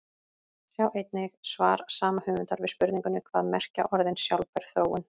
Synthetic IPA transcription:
θjaːwʔejt̪nɪxsva̰ːɾsaːmahʏmʏnt̪aɾvɪðspʏɾðnĩŋkʏnʏkʰv̥aːðmɛr̥ca̰ʔɔɾðɪnsjawlpɛɾ̥θɾoːwːʏn

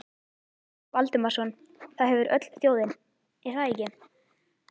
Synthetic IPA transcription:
valt̪ʏmḁsɔn | θaðɦɛvʏɾœ̰t̪l̥sθjoːwðɪn | isaːicɪm

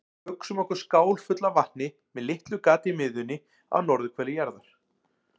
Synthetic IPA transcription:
hœksʏmɔhkʏ̥skaːwlfʏt̪lavaht̪nɪ | mɛðlɪht̪lʏkaːt̪ɪmɪðʏnːɪ | a̰wnɔɾðʏkʰvɛːlːɪjɛɾðaɾ̥

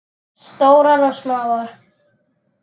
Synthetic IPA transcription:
st̪oːwɾaɾɔsmavɔɾ̥

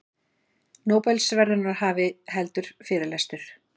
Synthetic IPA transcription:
noːwpɛlsvɛɾðʏnaɾhaːvɪɦɛlt̪ʏɾ̥fɪːɾɪlɛst̪ʏɾ̥

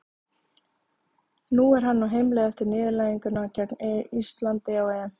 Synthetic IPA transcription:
nuːɛɾ̥ɦanːawɦejmlɛːɣɛft̪ɪɾnɪːðɪɾlaːjiŋkʏnacɛknɛist̪lant̪ɪawɛn

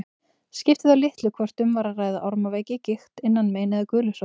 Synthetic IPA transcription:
scɪft̪ɪðalɪht̪lʏkʰvɔr̥t̪ʏmvaɾaraːjðaʔɔɾmaveːjcɪcɪxt̪ɪnːanmeːjnɪðɪkʏːlʏs

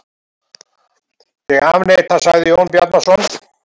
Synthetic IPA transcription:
jɛɣaːvnejt̪θasaɣðɪownpjat̪nasɔn

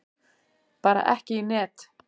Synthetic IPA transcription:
paːɾa̰ʔɛhcɪinɛːt̪

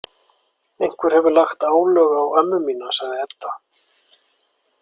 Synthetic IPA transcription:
ejŋ̥kvɛɾ̥hɛvʏɾlaxt̪aːwlœːɣaːwɛmːʏmiːnasaɣðɪɛt̪ːa

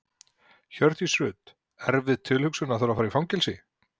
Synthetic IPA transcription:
çœɾ̥θisɾʏːt̪ | ɛɾvɪðt̪ʰɪlhʏksʏnaθaɾafaːɾifawŋcɛlsɪ

